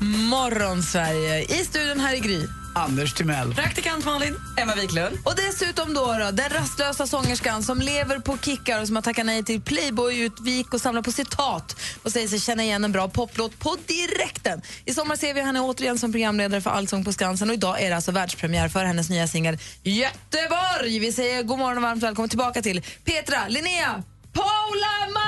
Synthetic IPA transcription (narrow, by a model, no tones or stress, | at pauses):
mɔɾɔnsvæɾjəɪst̪ʉ̟ːd̪jʊnɦæːɾɪɡɾiː | and̪əʂt̪ʰɪmɛlːpʰɾakt̪ɪkant̪mɑːlɪn | ɛmːaviːklɵnd̪ɔd̪ɛsʉ̟ːt̪ɔmd̪ɔɾɑd̪ɛnɾast̪løːsasɔŋːəʂkansɔmleːvəɾpʰɔkʰɪkːaɾɔs̬ɔmhat̪ʰakːanɛjt̪ʰɪlpʰlɛjbɔjʉ̟ːt̪vɪɪkːɔsamlaɾpʰɔsɪt̪ʰɑːt̪ɔsɛjəʂ̬ɛjɕɛnːəɾɪjɛnːɛnbɾɑːpʰɔpːloːt̪̚pʰɔd̪ɪɾɛkt̪ənɪsɔmːaɾseːvɪhanɛoːt̪əɾɪjɛnsɔmpʰɾʊɡɾamːleːd̪aɾəfœɾʔa̰lsɔŋːpʰɔskansənɔɪd̪ɑːʔæɖɛalsɔvæːɖʂpʰɾɛmɪjæːɾfœɾhɛnːəs̬nyːasɪŋːəljɛt̪ːəvaɾjvɪsɛjːəɾɡoːmɔɾɔnɔvaɾmt̪vɛːlkɔmːət̪ʰɪlbɑːkat̪ɪlpʰeːt̪ɾalɪneːa | pʰaʊlam